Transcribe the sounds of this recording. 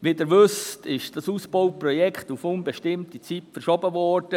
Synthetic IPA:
ʋidɪɾʋʏstɪʃd̥ɑsuːsb̥oʊprɔjɛkχtufʊnbeʃtɪmtit͡sitfəɾʃɔbəvɔɾd̥ə

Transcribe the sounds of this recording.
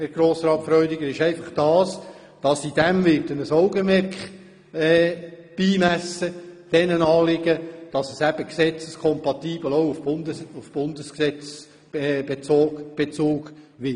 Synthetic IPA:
hæɾɡ̥ɾoːsɾɑːtfɾœʏdɪɡəɾɪʃɛɪfɑχd̥ɑːs | d̥ɑsid̥ɛmvɪɾdənəsɔʊɡəmɛɾkχ | ɛː | b̥iːmæsəd̥ɛnənɑːlɪɡəd̥ɑsəsæb̥əksɛt͡səskʰɔmpɑtiːb̥l̩oʊʊfndufb̥ʊndəsksɛt͡s | b̥et͡soːɡb̥et͡suːɡʋɪ

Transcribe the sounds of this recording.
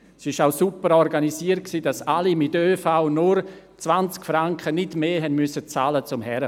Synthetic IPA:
sɪʃaʊsupəɾɔrɡanisiːərt̚ksiːdasalimɪtøːfaʊnʊɾ | t͡svant͡skfɾaŋkχənɪdmeːɦɛnmysət͡saːlət͡sʊmɦɛɾə

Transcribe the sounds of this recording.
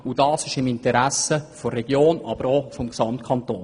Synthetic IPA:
ud̥ɑːsɪʃɪmɪnt̪əɾæsəfɔrɛɡ̥joːnɑ̰b̥əɾɔfɔmksɑmt̪̚kʰɑnt̪oːn

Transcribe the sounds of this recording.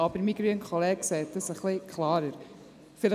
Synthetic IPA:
ɑbəɾmiɡɾyənkʰχolɛːɡ̥sɛːt̚d̥əsəχlɪkʰχlɑːɾəɾ | fɪlə

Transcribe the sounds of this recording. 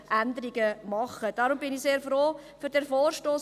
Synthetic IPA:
ʔænd̪əɾiɡəmɑχːəd̥ɑɾʊmbɪniseːɾfɾoːfyɾdɛɾfoːɾʃtoːs

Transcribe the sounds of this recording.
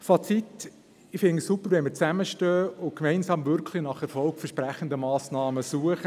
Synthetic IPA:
fɑt͡sit̪ | ɪfɪnəsupːəɾʋɛnməɾt͡sæməʃtøːʊkmɛɪnsɑːmvʏɾkʰlinɑχəfɔlkfəɾʃpɾæχən̩d̪əmɑːsnɑːməsuəχə

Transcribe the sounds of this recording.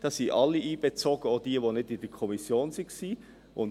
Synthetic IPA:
d̥ɑsiːʔɑlːiʔiːb̥et͡soɡ̥əod̥iːəʋonɪtɪnd̥əkʰɔmisjoːnsɪksiː | ʔʊn

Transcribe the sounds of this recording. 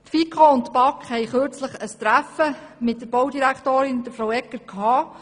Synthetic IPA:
tfikʰoʊnttpɑkχhɛjχøɾt͡sləχəst̪ɾæfəmɪt̚dəɾb̥ɔwdiɾæktoːɾɪnd̥̪əɾfɾowɛkːəɾkʰɑː

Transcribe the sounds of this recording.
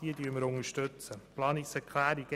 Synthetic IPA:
d̥iədyːəməɾʊŋəʃtøt͡səplɑːniksɛkχlæːɾiɡ̥ə

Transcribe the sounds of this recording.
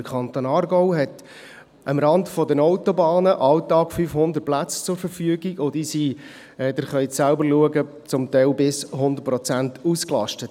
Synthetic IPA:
kʰɑnt̪oːnɑːrɡɔʊɦɛt | ʔəmɾɑndfɔdənɔʊtɔbɑːnəʔɑltɑːkfyfhʊnd̪ərt̚plæt͡st͡sʊɾfəɾfyəɡiɡod̥isi | ɛd̪̥ɪɾχœjsælbəɾluəɡə | t͡sʊmt̪ɛɪlbɪsɦʊnd̪əɾpɾɔt͡sæntuːsklɑ̰ʃtət

